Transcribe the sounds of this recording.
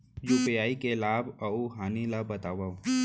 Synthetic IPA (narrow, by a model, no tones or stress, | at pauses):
juːpijaːikelaːbauɦaːnilabɐt̪aːʋau